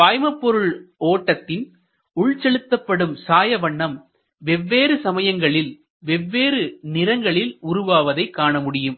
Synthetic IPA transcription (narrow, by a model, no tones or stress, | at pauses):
paːjmɐpːɔɾɯɭoːʈːɐt̪ːɪn | ʊɭt͡ʃɛɭɯt̪ːɐpːɐɽɯmsaːjɐʋɐɳːɐm | ʋɛʋːeːɾɯsɐmɐjɐŋɡɐɭɪl | ʋɛʋːeːɾɯnɪɾɐŋɡɐɭɪlʊɾʊʋaːʋɐðɐɪkːaːɳɐmʊɽɪjɯm